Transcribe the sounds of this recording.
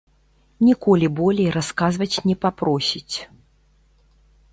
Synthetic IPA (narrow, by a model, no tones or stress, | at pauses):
nʲikɔlʲibɔlʲɛjɾaskazvɐt͡sʲnʲɛpapɾɔsʲit͡sʲ